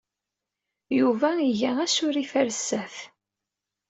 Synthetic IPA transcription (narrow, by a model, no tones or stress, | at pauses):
juvæiʝææsʊɾifæɾsːæθ